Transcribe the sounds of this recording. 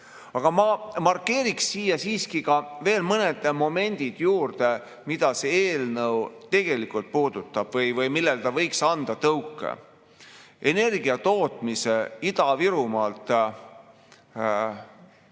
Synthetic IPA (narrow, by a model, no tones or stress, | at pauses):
ɑɡ̥ɑmɑmɑrkːe̞ːɾiksːiːjːɑsiːskikɑve̞ːlmɤned̪̥mo̞me̞nʲd̪̥id̪̥juːrd̪e | mid̪̥ɑseeːlnɤwt̪e̞ɡ̥e̞likult̪̚puːd̪̥ut̪ːˑɑb̥vɤjvɤjmilːelt̪ɑvɤjksɑnd̪̥ɑt̪ɤwkːˑḛ | ʔene̞rɡ̥iɑt̪o̞ːt̪ˑmiseid̪̥ɑviɾumɑlt̪ˑ